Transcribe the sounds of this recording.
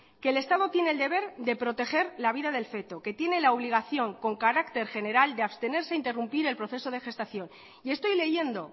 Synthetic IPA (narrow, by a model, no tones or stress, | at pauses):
ke̞ːle̞st̪að̞ot̪jeneːld̪e̞βe̞ɾðe̞pɾo̞t̪e̞xe̞ɾlaβiðaðe̞lfe̞t̪o̞ke̞t̪je̞ne̞laoβ̞liɣ̞aθjo̞ŋko̞ŋkaɾakt̪e̞ɾxe̞ne̞ɾald̪eaβst̪e̞ne̞ɾseaint̪e̞rumpiɾe̞lpɾo̞θe̞so̞ðe̞xe̞st̪aθjo̞n | ie̞st̪o̞jle̞ʝe̞nd̪o̞